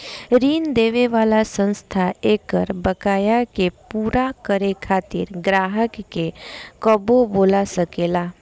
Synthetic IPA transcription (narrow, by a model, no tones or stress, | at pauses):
ɾiːnd̪eːʋeʋaːlasə̃nst̪ʰaeːkəɾbəkaːjakepuːɾakəɾekʰaːt̪ɪɾɡɾaːɦəkːekəboboːlasəkeːlaː